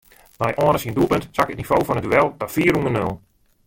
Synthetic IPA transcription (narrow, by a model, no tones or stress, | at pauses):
mɛjʔɔənəsiəndupəntsakətnifoːfɔnətduɛlˠdɔfiːərunənø̰lˠ